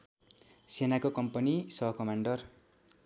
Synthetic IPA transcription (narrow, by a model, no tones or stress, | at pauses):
senakokʌmpʌnisʌɦʌkʌmaɳɖʌr